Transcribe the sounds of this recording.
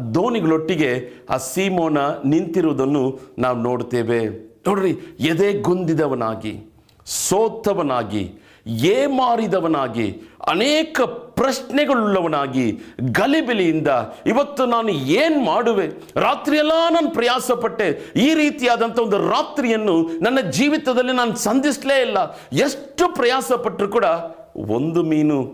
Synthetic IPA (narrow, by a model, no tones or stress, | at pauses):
d̪oːniɡɐɭoʈːiɡe̞a̰ːsiːmoːnɐnint̪iɾuʋɐd̪ɐnːunaːʋuno̞ːɽt̪eːʋenoːɽiɾied̪eːɡund̪id̪ɐʋɐna̰ːɡḭ | soːt̪ʰːɐʋɐnaːɡḭ | eːmaːɽid̪ɐʋɐnaːɡḭɐ̰neːkɐpɾɐʃnɛɡɐɭulːɐʋɐnaːɡiɡɐlibilijind̪ɐiʋɐt̪ːunaːnueːnmaːɽuʋe | ɾaːt̪ɾijɐlːaːnaːnupɾɐjaːsɐpɐʈːeːiːɾiːt̪ijaːd̪ɐnt̪ʰɐond̪uɾaːt̪ɾijɐnːunɐnːɐd͡ʒiːʋit̪ɐd̪ɐlːinaːnusɐnd̪isleːjilːɐ | eʂʈːupɾɐjaːsɐpɐʈːɾukuːɽɐ | o̰nd̪umiːnu